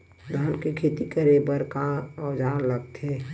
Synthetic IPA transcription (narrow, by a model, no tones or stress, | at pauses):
d̪ʱaːnkekʰeːt̪ikəɾebəɾkaɔd͡ʒaːɾləɡ̚t̪ʰe